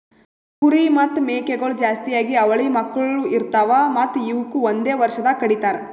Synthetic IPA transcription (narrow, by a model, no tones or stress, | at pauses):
kuɾimɐt̪ːmeːkeɡɐɭud͡ʒaːst̪ijaːɡiɐʋɐɭimɐkːɐɭɭuiɾt̪aːʋamɐt̪ːiʋukuond̪eːʋɐɾʃɐd̪ɐkɐɽit̪aːɾe